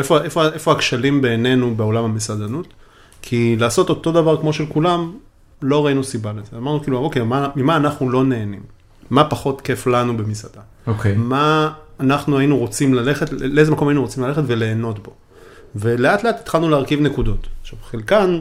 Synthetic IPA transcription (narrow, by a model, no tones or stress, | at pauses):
efoefoaefo̞akʃalimbe̞ːne̞nubeo̞lamamesad̪anut̪ | kʰilaːso̞t̪o̞t̪o̞d̪avaʁkmo̞ʃelkulam | lo̞ʁainusibalezeamaʁnukiːluavokejmamimaːnaχnulo̞ne̞ːnimː | apaχo̞tke̞flanubemisad̪a | okemaːnaχnuainuʁo̞t͡simlale̞χetleezemako̞mainuʁot͡simlale̞χetve̞le̞ːno̞tbo̞ | ve̞le̞atle̞ati̥t̪χalnuleːʁkivnekud̪o̞taχʃavχelkan